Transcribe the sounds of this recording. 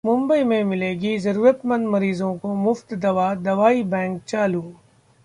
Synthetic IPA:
mʊ̃mbəimẽmɪleːɡizɐɾuːɾət̪mə̃nd̪mɐɾiːzõkomʊft̪d̪ɐʋaːd̪ɐʋaːibɛ̃ːŋk̚t͡ʃaːluː

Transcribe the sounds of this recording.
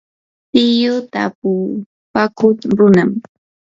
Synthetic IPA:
tɪjʊt̪apʊ | pakʰʊt̪ɾʊnam

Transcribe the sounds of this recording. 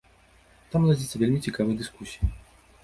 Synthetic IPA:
t̪amlˠad͡zʲit̪sɐvʲelʲmʲit͡sʲikavɨjd̪ɨskusʲiji

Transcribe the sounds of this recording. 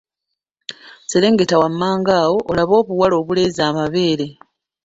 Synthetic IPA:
seɾe̞ːŋɡe̞tawamːaːŋɡaːwo̞ʔːlaβo̞ːβuwalo̞ːβule̞ːzaːmaβe̞ːɾe̞

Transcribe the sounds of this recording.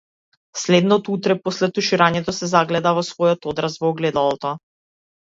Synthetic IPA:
slɛd̪nɔt̪ut̪ɾɛposlɛt̪uʃiɾaɲɛt̪ɔsɛzaɡlɛd̪avɔsvɔjɔt̪ɔd̪ɾasvɔːɡlɛd̪alˠɔt̪ɔ

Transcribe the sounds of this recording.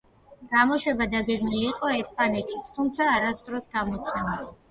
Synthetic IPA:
ɡ̥amɔʃwɛbad̪aɡɛɡmiliːqʼɔɛspʼanɛt̪ʃi̥t̪ʰumt̪sʰaːɾast̪ʼɾɔsɡamɔt̪sʰɛmili

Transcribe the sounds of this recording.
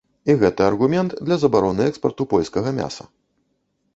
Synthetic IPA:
iɣɛt̪ɐɐrɣumʲɛnt̪d̪lʲɐzɐbaɾɔnɨɛkspɐrt̪upɔlʲskɐɣɐmʲa̰sɐ̰

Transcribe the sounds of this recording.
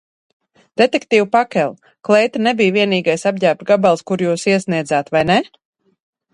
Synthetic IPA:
d̪̥et̪ɛkt̪iːwpakʲɛlˠ | klˠɛjt̪nɛbijviɛniːɡajsabɟaːp̪ɡabalˠskuɾjuːsiɛsniɛd̪zaːt̪vajnɛ

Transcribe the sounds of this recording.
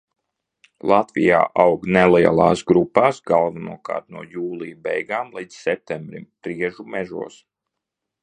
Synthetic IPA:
lˠat̪vḭja̰ːʔawɡnɛlˠɛja̰lˠɑ̰ːsɡɾupːaːsɡalˠvunuɔka̰ːɾt̪nuɔjuːlˠijbɛjɡaːmlˠiːd̪ssɛp̚t̪ɛmbɾimpɾiɛʒumɛʒṵɔs

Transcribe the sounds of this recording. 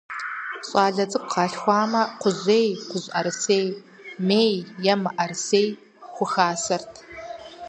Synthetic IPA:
ɕʼɑːɮɐt͡sʼɨk̚qɑːɬxʷɑːmɐqʷʊʑeːjqʷʊʑʼʔɐrseːj | meːjːɐmɨʔɐrseːj | xʷʊxaːsɐrtʰ

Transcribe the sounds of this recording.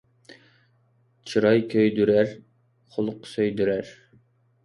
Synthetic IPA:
t͡ʃʰɨɾɑjkʲʰøjd̪yɾæɾ | χʊlˠʊqːsøjd̪yɾæɾ

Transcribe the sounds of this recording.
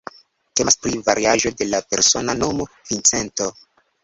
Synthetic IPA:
te̞maspɾivaɾiaʒo̞de̞lape̞ɾso̞nano̞mo̞ | vint͡se̞nto̞

